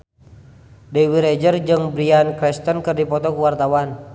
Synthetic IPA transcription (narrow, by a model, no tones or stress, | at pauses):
dɛwiɾɛd͡ʒərd͡ʒɨŋbɾiankɾɛst̪ənkɨrdipɔt̪ɔkuwart̪awan